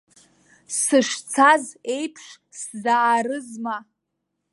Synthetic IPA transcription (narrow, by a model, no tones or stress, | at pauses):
sɨʂt͡sʰaze̞jpʰʂ | szaːrɨzma